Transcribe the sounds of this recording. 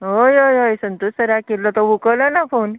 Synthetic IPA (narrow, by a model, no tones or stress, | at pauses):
ɦojojojsənt̪ossəɾakellɔt̪ɔʋukələnafon